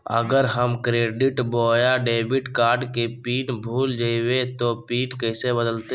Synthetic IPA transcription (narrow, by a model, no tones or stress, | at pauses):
ə̰ɡəɾɦəmkɾeːɖɪʈboːjaɖeːbɪʈkaːɾɖkepiːnbʱuːld͡ʒaiwet̪opiːnkəɪsebəd̪əlt̪e